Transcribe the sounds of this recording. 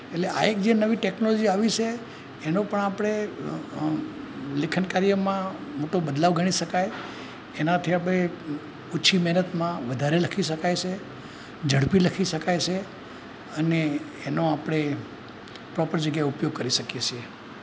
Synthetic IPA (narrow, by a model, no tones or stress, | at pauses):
eʈleʔa̰ek̚d͡ʒenəʋiʈeknolod͡ʒiaʋit͡ʃʰe | enõpəɳapɽ̃e | lɪkʰənkaɾjəmãmoʈobəd̪laʋɡʱəɽ̃iʃəkaj | enat̪ʰiapɽe | uːt͡ʃʰimɛɦnət̪mãʋəd̪ʱaɾeləkʰiʃəkajt͡ʃʰe | d͡ʒʱəɽpiləkʰiʃəkajt͡ʃʰe | əneː | noapɽ̃e | pɾɔpəɾd͡ʒəɡjaeupjoɡ̚kəɾiʃəkjet͡ʃʰie